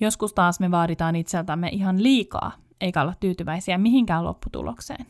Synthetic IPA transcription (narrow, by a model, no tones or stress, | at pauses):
joskust̪ɑːsmeʋɑːɾit̪ɑːnit̪selt̪æmːḛʔiɦɑnliːkɑ̰ː | ʔeikæolːet̪t̪yːt̪yʋæisiæmiɦiŋkæːlo̰pːut̪ṵlo̰ksḛːn